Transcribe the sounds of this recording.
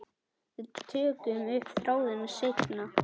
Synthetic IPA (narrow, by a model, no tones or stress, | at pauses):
ɪt̪ʰœːkʏmʏhpθɾaːwðɪnasejk̪na